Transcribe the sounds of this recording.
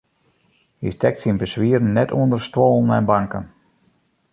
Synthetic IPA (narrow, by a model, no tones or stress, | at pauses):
hḭstɛk̚sinbəsʋiərn̩nːɛtʰuəndərstʋɔːlˠn̩ɛ̰nbaŋkə̰n